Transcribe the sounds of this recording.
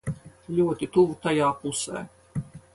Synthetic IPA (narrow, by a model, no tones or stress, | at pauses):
lʲuɔt̪ʲit̪uvt̪ajɑːpusɛ̰ː